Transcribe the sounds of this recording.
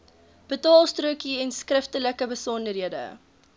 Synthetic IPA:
b̥ətɑːlˠstruəkiɛnskrəftələkəbəsɔndərɦiədə̰

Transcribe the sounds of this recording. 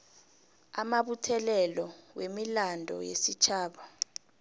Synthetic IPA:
amaɓutʰɛlɛlɔwemilandʱɔ̰jḛsit͡ʃʰaːɓa

